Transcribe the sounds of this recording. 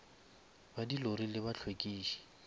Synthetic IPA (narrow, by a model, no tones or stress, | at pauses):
badiloɾilɪbat͡ɬʰwekʼiːʃi̥